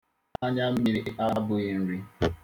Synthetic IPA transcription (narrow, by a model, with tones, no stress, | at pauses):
a˦ɲa˦m̩˦mi˨ɾi˨˦ʔa˦bʊ˨i˨n̩˦ɾi˦